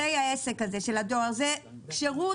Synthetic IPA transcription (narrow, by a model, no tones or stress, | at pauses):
ejaesekhazeʃelad̪ozekʃeʁu